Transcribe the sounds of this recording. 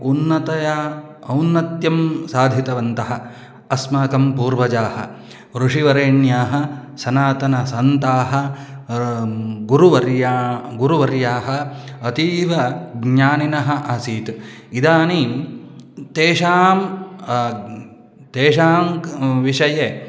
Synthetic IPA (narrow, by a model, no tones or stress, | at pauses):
unːɐt̪ɐjɐɐwnːɐt̪jɐmsaːd̪ʱit̪ɐʋɐnt̪ɐɦɐ | ɐsmaːkɐmpuːɾʋɐd͡ʒaːhɐ̰ | ʋɾuʂiʋɐɾeːɳjaːɦɐ̆sɐnaːt̪ɐnɐsɐnt̪aːɦɐ̆ | ɡuɾuʋɐɾjaɡuɾuʋɐɾjaːɦɐɐt̪iːʋɐɡɲaːninɐɦɐʔɐsiːt̪ | id̪aːni | t̪eːʃaːm | t̪eːʃaːmʋiʂɐje